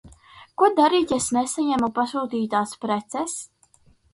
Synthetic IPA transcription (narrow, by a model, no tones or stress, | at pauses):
kuɔd̪aɾiːt̪ʲesnesaɲæmupasuːt̪iːt̪aːspɾɛt̪sɛs